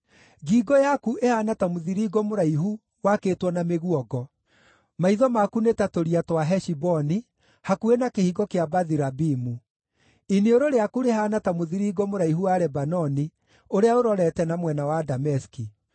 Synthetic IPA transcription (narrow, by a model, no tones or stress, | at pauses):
ɡiɡɔjakuʔehanatamoðiɾiːɡɔmoɾaiɦu | wakeːtwɔnameɣuɔɡɔ | maiðɔmakunetatoɾiatwaɦɛʃibɔni | hakuenakehiɣɔkeabaðiɾabimu | inioɾoɾeakuɾehanatamoðiɾiːɡɔmoɾaiɦuwaɾɛbanɔni | oɾeaoɾɔɾɛtɛnamwɛnawadamɛski